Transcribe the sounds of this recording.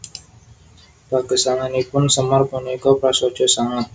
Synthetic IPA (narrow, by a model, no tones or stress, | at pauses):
b̥aɡəsaŋanipʊnsəmarpunikɔpɾaso̥d͡ʒɔsaŋa